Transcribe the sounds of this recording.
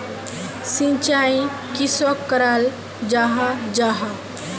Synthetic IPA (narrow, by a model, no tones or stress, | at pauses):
sĩt͡ʃaj̃ | kiswɔkːəɾal | d͡ʒaɦad͡ʒaɦa